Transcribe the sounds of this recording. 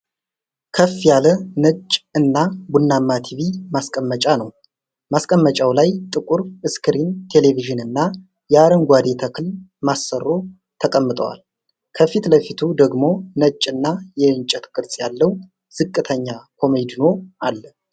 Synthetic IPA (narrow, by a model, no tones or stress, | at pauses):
kʰəfːjalənət͡ʃʼːɨnːabunːamːat̪ʰiβimaskʼəmːət͡ʃʼanəw | maskʼəmːət͡ʃʼawlajt̪ʼɨkʼuɾɨskʰɨɾint̪ʰe̞le̞viʒɨnɨnːa | jɛaɾəŋɡʷad̪et̪ʰəkʰɨlmasːərːo̞ | t̪ʰəkʼəmːɨt̪ʼə̰wa̰l | kʰəfit̪ləfit̪ʰud̪əɡmo̞nət͡ʃʼːɨnːajɛɨnt͡ʃʼːɛt̪kʼɨɾsʼjalːəw | z̥ɨkʼːɨt̪ʰəɲːakʰo̞med̪ino̞ʔalːə